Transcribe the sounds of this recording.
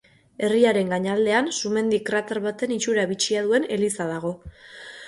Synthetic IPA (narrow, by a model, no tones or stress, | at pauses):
e̞riaɾe̞ŋɡaɲald̪e̞ansume̞nd̪ikrat̪aɾβat̪e̞nit͡ʃuɾaβit͡ʃiað̞ue̞ne̞lisaðaɣ̞o̞